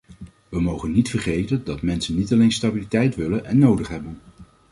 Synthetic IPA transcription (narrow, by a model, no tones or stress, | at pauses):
ʋəmowχənːitfərχejtəndɑtmɛnsənːitɑlenstabilitɛjtʋɪlənʔɛnːowdəχɦɛbən